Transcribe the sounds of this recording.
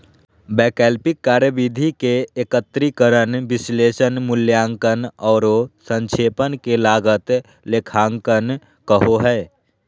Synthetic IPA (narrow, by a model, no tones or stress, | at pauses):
bɛːkɛːlpɪkːaːɾjəʋid̪ʱikeeːkət̪ɾikəɾənʋɪsleːʃənmʊljãːŋkənɔːɾosə̃nkʰeːpənkelaːɡət̪ | lekʰãːŋkən | kəɦoɦɛː